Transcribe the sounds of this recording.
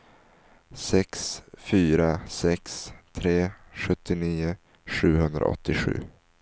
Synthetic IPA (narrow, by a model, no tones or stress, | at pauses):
sɛksfyːɾasɛkst̪ʰɾeːɧɵt̪ːɪniːʊ | ɧʉ̟ːɦɵnd̪ɾa̰ʔɔ̰t̪ːɪɧʉ̟̰ː